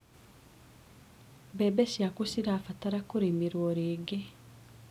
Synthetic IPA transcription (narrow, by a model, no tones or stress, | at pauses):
bɛbesjakusiɾaːfataɾakuɾimiɾwɔɾiːɡe